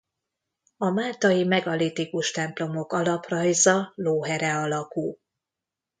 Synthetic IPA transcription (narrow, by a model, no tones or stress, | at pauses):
ɒmaːlt̪ɒjimɛɡɒlit̪ikuʃt̪ɛmplo̞mo̞kɒlɒprɒjzɒloːɦɛɾɛɒlɒkul